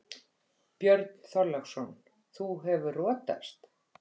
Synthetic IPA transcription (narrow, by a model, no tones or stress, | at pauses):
pjœɾt̪n̥θɔɾlaxsɔn | θuɦɛvʏrɔːt̪a̰st̪